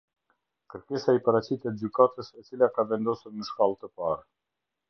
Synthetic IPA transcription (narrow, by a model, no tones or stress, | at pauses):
kəɾkɛsaipaɾat͡ɕit̪ɛt̪̚d͡ʑykat̪əsɛt͡silakavɛnd̪ɔsuɾnəʃkalˠt̪əpaɾ